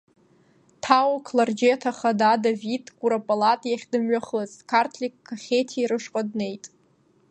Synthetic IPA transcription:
tʰawkʰlard͡ʒejatʰaχadadavidɡʼuɾapʼalatʼjaχʲdɨmɥaχəzkʰartʰlʲikʰːaχʲetʰiiɾɨʂqʼadne̞jtʼ

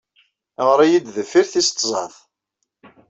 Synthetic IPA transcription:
ʁɾˤæjid̪ðəfːiɾθist̪ˤːzˤɑθ

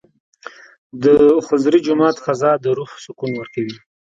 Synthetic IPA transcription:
d̪əxʊzɾid͡ʒʊmɑt̪xazɑd̪əɾuhsʊkunwəɾkawi

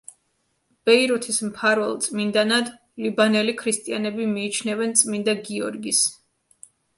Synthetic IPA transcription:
b̥ɛiɾut̪ʰismpʰaɾvɛlˠt̪sʼmind̪anad̪ | libanɛlikʰɾist̪ʼianɛbimiːt͡ʃʰnɛvɛnt̪sʼmind̪aɡiɔ̰ɾɡis

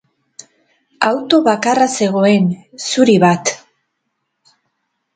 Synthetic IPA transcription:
awt̪o̞βakarase̞ɣ̞o̞e̞nsuɾiβat̪

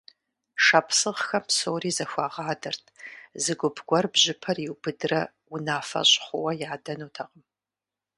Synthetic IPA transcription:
ʂɐpʰsɨʁxɐmsoːriːzɐxʷɑːʁɑːdɐrtʰzɨɡʷʊpʰɡʷɔrbʑɪpʰɐrjiwbɨdɨrɐ | ʊnaːfɐ̰ɕʼχʷʊwɐjaːdɐnuːtʰɐqəm

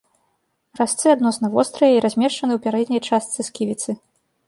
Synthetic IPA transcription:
rast̪sɨad̪nɔsnɐvɔst̪ɾɐjɐiɾazʲmʲɛʂt͡ʂɐnɨwpʲaɾɛd̪ʲnʲɐjt͡ʂast̪sɨskʲivʲit̪sɨ

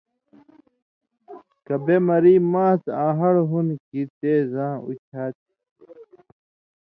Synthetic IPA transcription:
kɐbemɐɾiːmãːt͡sãːɦɐɽɦunkit̪eːzãːṵt͡ɕʰaːt̪̚

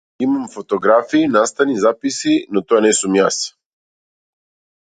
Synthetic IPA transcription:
imamfɔt̪ɔɡɾafiːnast̪anizapisinɔt̪ɔanɛsumjas

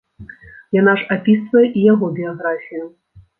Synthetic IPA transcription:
jan̪aʂapʲisvɐjɛʔijaɣɔbʲijaɣɾafʲijʊ

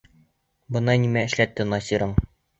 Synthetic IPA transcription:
bɤ̆nɑnimæɘ̆ʃlæt̪ːɘnɑsʲiɾɤɴ

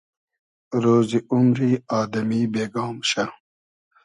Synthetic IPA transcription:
ɾoːziʔumɾiːɑːd̪ɐmiːbeːɡɑːmɕɐ

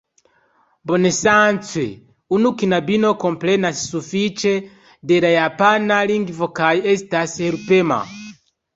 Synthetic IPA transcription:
bɔnɛsant͡sʰwɛ̰ | unukinabinɔkɔmplɛnasi̥sufit͡ʃɛ | dɛɾajapanaliŋɡivɔkajiɛzitasɛɛɾupɛma̰

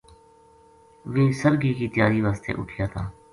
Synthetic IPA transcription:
ʋẽːsəɾɡiːkiːt̪ɪjaːɾiːʋaːst̪ḛːʔʊ̰ʈʰijaːt̪ʰaː

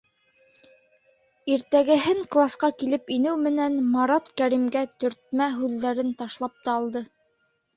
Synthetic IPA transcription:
iɾt̪æɡɘ̆ɦɘŋklˠasqɑkilɘpinɘwmɘ̆nænmɑɾɑt̪kæɾimɡæt̪ɵ̆ɾt̪̚mæɦʉðːæɾɘnt̪ɑʃlˠɑp̚t̪ɑɑlˠd̪ɤ

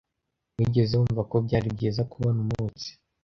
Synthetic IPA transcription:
wiɟe̞zeuːɱvakob̚ɟaːɾib̚ɟeːzakuβanumut͡si̥

